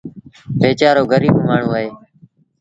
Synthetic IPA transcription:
peːt͡ʃaːɾoːɡəɾiːbmaːɳ̤ũːaːɦeː

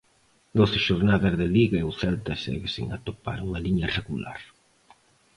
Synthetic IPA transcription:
d̪oθɪʃoɾnaðɐzðɪliɣɐeuθɛlt̪ɐsɛ̰ɣesḭŋa̰t̪opa̰ɾuŋɐliɲɐreɣula̰ɾ

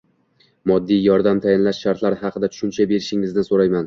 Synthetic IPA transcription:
mɒd̪ːijjɒɾd̪amt̪ʰajɪnlaʃʃaɾt̪ʰlaɾhɑqʰɨd̪at̪ʰʊ̥ʃʊnt͡ʃʰabe̞ɾɪʃɪŋɪznɪsoɾajman

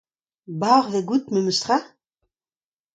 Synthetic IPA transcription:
baːʁveɡut̪mɛməst̪ʁa

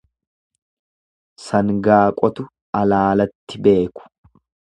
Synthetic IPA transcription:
sɐŋɡaːkʼɔt̪ʊ | ɐlaːlɐt̪ːɪbe̞ːkʊ̥

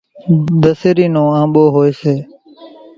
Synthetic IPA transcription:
d̪əseːɾiːnõːãːɓoːɦoːeːseː

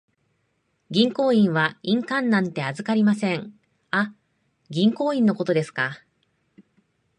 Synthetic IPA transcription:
ɡʲĩŋko̞ːĩɰ̃βaĩŋkãnːãnt̪e̞azɨkaɾʲimasẽ̞ŋ | a | ɡʲĩŋko̞ːĩnːo̞ko̞t̪o̞d̪e̞sɨ̥ka

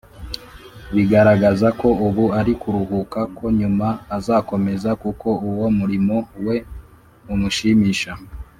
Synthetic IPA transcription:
βiɡaɾaɡazako̞uβuaɾikuɾuhukakʰo̞ɲumaːzaːko̞me̞zakuko̞uwomuɾimo̞we̞ | umuʃimiːʃa

